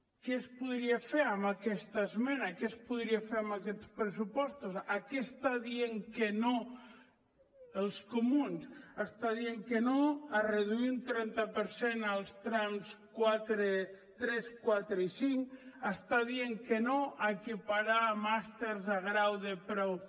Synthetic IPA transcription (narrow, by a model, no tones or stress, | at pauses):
kespuðɾiafeɾamakɛst̪aezmenakespuðɾiafeɾambakɛt̪spɾesupɔst̪ozakest̪aðieŋkeno | əlˠskumunsast̪aðieŋkenoareðuiunt̪ɾɛnt̪apeɾsenalˠst̪ɾamskwat̪ɾe | t̪ɾɛskwat̪ɾeisiŋkast̪aðieŋkenoaekipaɾamast̪eɾzaɣɾawðepɾɔw